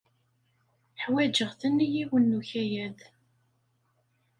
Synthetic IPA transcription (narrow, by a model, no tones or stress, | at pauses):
ħwæd͡ʒəʁθənːijiwənːuçæjæð